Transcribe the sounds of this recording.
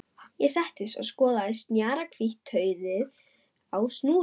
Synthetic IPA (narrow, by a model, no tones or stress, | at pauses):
jɛsɛht̪ɪsɔ̰ɣskɔːðaðɪst̪njaːɾakʰviht̪ʰːœːɥðɪð | awsnuː